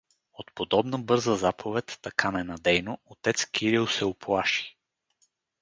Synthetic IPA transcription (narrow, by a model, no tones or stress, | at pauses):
ot̪pod̪ɔbnəbɤɾzəzapʰovɛt̪ːɐkʰanɛnɐd̪ɛjnoot̪ɛt̪skʲiɾilˠsɛoplˠaʃi̥